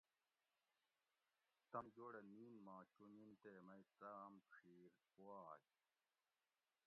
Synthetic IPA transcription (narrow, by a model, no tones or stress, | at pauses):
t̪ɐmd͡ʑoːɽeniːnmãːt͡ɕunint̪eːmɐit͡s̪amkʰiːɾ | owaːj